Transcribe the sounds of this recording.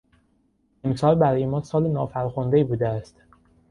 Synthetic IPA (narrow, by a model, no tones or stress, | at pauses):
emsɒːlbæɾɒːjemɒːsɒːlenɒːfæɾxond̪eibuːd̪eæst̪